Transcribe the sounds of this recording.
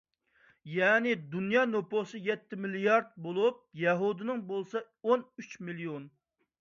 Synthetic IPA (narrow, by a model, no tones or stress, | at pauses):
jɛːnɪd̪unjɑːnoposɨjɛt̪ʰːɪmilijɑɾd̪̚bolˠup̚jɛɦud̪ɪnɪŋbolˠsɑ | onyt͡ʃmilijon